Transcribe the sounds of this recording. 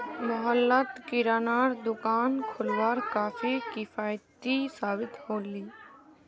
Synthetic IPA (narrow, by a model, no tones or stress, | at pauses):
mʊɦəlːət̪kɪɾaːnaːɽd̪ʊkaːnkʰʊlwaːɾkaːfʰikɪfʰaːjt̪isaːbɪt̪hoːliː